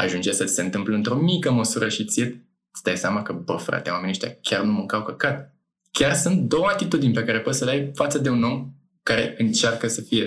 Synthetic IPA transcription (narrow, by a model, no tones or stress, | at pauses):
a̰ʒund͡ʒesət̪i̥se̞nt̪ɨmpləɨnt̪ɾo̞mikəməsuɾəʃit̪sijet̪ | t̪sʲd̪ajsʲamakəbəfɾa̰t̪ewameneʃt̪ʲa̰kʲarnuməŋkawkəkat̪ | kʲarsunt̪̚d̪o̞wəat̪it̪ud̪inʲpe̞kaɾe̞po̞t̪səlajfat̪səd̪e̞uno̞m | kaɾe̞ɨnt͡ʃarkəsəfije̞